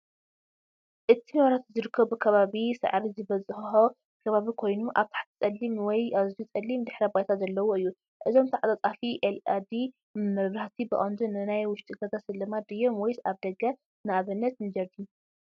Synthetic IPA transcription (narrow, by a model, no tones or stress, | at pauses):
ʔɨt̪ʰinwaɾat̪zɨɾɨkʰːɐβɨkʰɐβaβisɨ̰ʕɾizɨβɐt͡sʼɨxħo | kʰɐβaβikʰo̞jnuʔaβt̪ʰḁħt̪ʰi̥t͡sʼɐlːimwɔjʔazit͡sʼɐlːimd̪ɨħɾɐbajt̪ʰazɐlːɐwoɨjːu | ʔɨzo̞mt̪ʰaʕat̪ʼat͡sʼafiʔelad̪i | mɨmɨɾβɾaht̪ʰibɨʔʼand̪unɨnajwʊʃt̪ʼiɡɐzasɨlːɨmad̪ɨjːomwɔjsaβd̪ɐɡa | naaβɨnːɐt̪nɨd͡ʒɐɾd̪ij